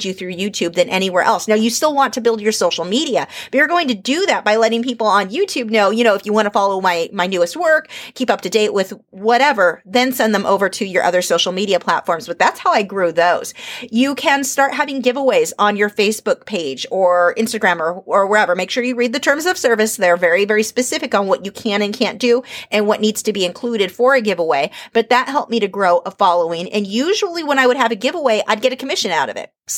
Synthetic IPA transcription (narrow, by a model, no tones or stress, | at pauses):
d͡ʒɨθɹʉjʉtʰʉb̚ðɨ̃nʔɛɾ̃iwɛɹʔɛ̰lˠsnaʊjɨstɪlˠwɑ̃ntʰɨbɪlˠdd͡ʒə˞soʊʃl̩ˠmiɾiɨb̥ʌt͡ʃjə˞ɡoʊɪ̃ŋtɨdɨðæt̚b̥aɪlɛɾɪ̃ŋpipl̩ˠə̃njʉtʰʉb̚noʊjɨ̃oʊɨfjɨwɑ̃ñəfɑlˠoʊmaɪmaɪnʉɨst̚wɜ˞kʰipʌp̚tʰɨdeɪʔwʔɪð | wʌɾɛvə˞ðɨ̃nsɛ̃nðɨ̃mʔo̰ʊvə˞ɾɨjə˞ʔʌ̰ðə˞soʊʃl̩ˠmiɾiɨpʰl̥æ̰tfɔɹmzb̥ʌt̪̚ðætshaʊaɪɡɹʉðoʊz̥jɨkʰɨ̃nstɑɹʔ̚ɦævɪ̃ŋɡɪvəweɪzn̩jə˞feɪsb̥ʊk̚pʰeɪd͡ʒə˞ɪ̃nstɨɡɹæ̃mə˞ə˞wʌɾɛvə˞meɪkʃʊɹjɨɹid̪̚ðɨtʰɜ̃˞mzʌv̥sɜ˞vɨsðəɾə˞vɛɹivɛɹispɨsɪfɨkn̩wʌt͡ʃɨkʰæ̃ñɨ̃nkʰæ̃nd̥ɨʔɨ̃nwʌʔⁿnidz̥tʰɨbiɨ̃nkʰl̥uɾɨd̥fə˞ɨɡɪvəweɪb̥ʌt̪̚ðət̚hɛlˠp̚miɾɨɡɹoʊʔəfɑlˠoʊɪ̃ŋʔɨ̃njʉʒl̩ˠiwə̃ñaɪwəɾ̚ɨvɨɡɪvəweɪʔaɪd̚ɡɛɾɨkʰəmɪʃɨ̃naʊɾʌ̰vɪ̰t̚